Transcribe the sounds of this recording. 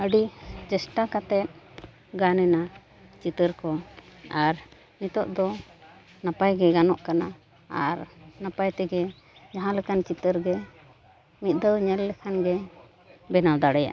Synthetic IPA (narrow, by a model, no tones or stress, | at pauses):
əɖid͡ʒɛsʈakat̪ɛt̪̚ | ɡanɛna | t͡ʃit̪əɾkɔaɾ | nit̪ɔʔd̪ɔ | napajɡɛɡanɔʔkana | aɾnapajt̪ɛɡɛ | d͡ʒaɦãlɛkant͡ʃit̪əɾɡɛ | mit̪̚ˀd̪əwɲɛlːɛkʰanɡɛ | bɛnawd̪aɽɛja̰ʔ